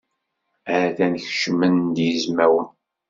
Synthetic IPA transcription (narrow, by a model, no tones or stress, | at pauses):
æɾæθænəçʃəmənd̪jizmæwən